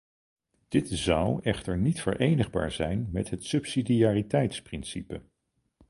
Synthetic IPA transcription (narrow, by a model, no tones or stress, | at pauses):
d̥ɪtzʌwɛχtəɹnitfə̰ɹʔejnəχba̰ːɹzɛjnmɛtɦətsɵpsidiaːritɛjtsprɪnsipə̰